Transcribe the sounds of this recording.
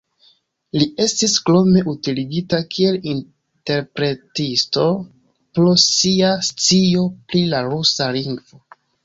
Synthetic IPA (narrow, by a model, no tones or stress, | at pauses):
lie̞stisklo̞me̞ʔutiliɡitakʰie̞lin | te̞ɾpɾe̞tisto̞ | pɾosiast͡sio̞pɾilaɾusaliŋɡvo̞